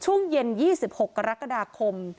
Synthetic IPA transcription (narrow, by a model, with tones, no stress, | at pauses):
t͡ɕʰu˥˩əŋje˧njiː˥˩si˨˩p̚ho˨˩kːa˧ɾa˦˥ka˧daː˧kʰo˧m